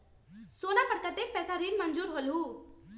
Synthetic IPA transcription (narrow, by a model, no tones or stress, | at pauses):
soːnapəɽkət̪ek̚pɛːsaɾinmənd͡ʒuːɾɦoːlɦuː